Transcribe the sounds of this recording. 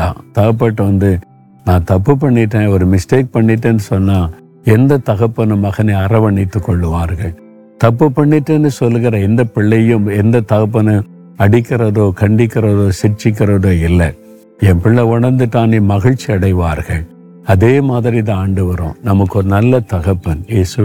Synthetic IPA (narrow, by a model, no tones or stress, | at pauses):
ãːt̪ɐɣɐpːɐːʈːɐʋɐnd̪ɯ | nãːt̪ɐpːɯp̬ɐɳːɪʈːẽːɔɾɯmɪsʈeːk̚pɐɳːɪʈːɯnːɯsɔnːaː | ɛnd̪ɐt̪ɐɣɐpːɐnɯmɐɣɐnɐɐɾɐʋɐɳɪt̪ːɯkːɔɭːɯʋaːɾɣɐɭ | t̪ɐpːɯpːɐɳːɪʈːɯnːɯsɔlːɯɣɪɾɐɛnd̪ɐpɪɭːɐjʊ̃mɛnd̪ɐt̪ɐɣɐp̬ːɐnɯ | ɐɽɪkːɪɾɐðoːkɐɳɖɪkːɪɾɐðoːsɪt͡ʃːɪk̬ːɪɾɐðoːɪlːɐ | ɛ̃mpɪɭːɐʊɳɐɾnd̪ɯʈːaːniːmɐɣɪɻt͡ʃːiɐɽɐɪʋaːɾɣɐɭ | ɐðeːmaːðɪɾɪt̪̬ãaːɳɖɯʋɐɾõ̰ːnɐmɐkːɯɔɾɯnɐlːɐt̪ɐɣɐpːɐnjeːsɯ